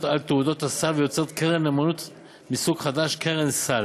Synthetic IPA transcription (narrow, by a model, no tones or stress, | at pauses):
t̪alt̪eud̪o̞t̪hasalvejot͡seʁt̪keʁenemanut̪ | misuɡχad̪aʃkeʁensal